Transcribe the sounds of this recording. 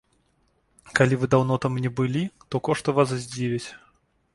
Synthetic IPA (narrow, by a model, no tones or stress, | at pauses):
kalʲivɨd̪awnɔt̪amnʲɛbɨlʲit̪ɔkɔʂt̪ɐvaszʲd͡zʲivʲit͡sʲ